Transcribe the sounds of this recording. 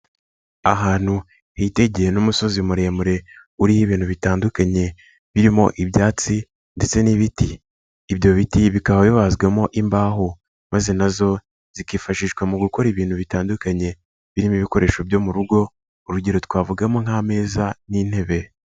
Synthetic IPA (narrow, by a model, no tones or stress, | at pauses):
aɦaːn̥hu | hite̞ɟejenumuso̞zimuɾeːmuɾe̞ | uɾihiβiːn̥huβitaːndukaɲe̞ | βiɾimo̞̰ʔiβjaːt͡si | nde̞t͡se̞niβitiː | βjo̞βitiβikahojoβazɡwamo̞ʔimbaːɦo | maze̞nazo̞ | z̥ikifaʃiːʃɡwamuɡuko̞ɾiβiːn̥huβitaːndukaɲe̞ | βiɾimiβiko̞ɾe̞ːʃo̞βjo̞muɾuɡo̞ | uɾuɟe̞ɾo̞twaːvuɡamo̞ŋ̥ame̞ːzanin̥he̞βe̞